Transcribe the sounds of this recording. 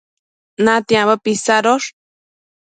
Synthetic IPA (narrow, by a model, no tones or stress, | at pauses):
nat̪iãβəpisaɾoʂ